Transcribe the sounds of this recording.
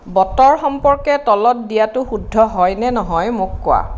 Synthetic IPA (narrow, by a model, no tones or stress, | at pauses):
bɔtɔɹxɔmpɔɹkɛtɔlɔt̚dijatʊxudʱːɔɦɔjnɛnɔɦɔjmʊkːʊa̰